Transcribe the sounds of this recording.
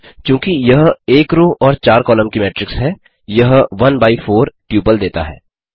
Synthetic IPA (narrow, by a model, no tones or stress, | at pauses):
kjũːkijɐɦeːkɾoːʔɔːɾt͡ʃaːɾkɔːləmkimɛːʈɾɪksɦɛː | jɐɦʋɐnbaːifoːɾʈjuːpəld̪eːt̪a̰ɦɛ̰ː